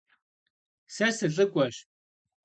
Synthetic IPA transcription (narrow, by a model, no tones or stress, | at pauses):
sɐsɨɬʼɨkʷʼɔɕ